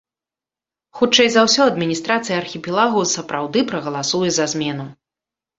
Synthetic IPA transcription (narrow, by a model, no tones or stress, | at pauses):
xut͡ʂɛjzawsʲɔɐd̪mʲinʲist̪ɾat̪sɨjɐɐrxʲipʲilˠaɣusɐpɾawd̪ɨpɾɐɣɐlˠasujɛzazʲmʲɛn̪u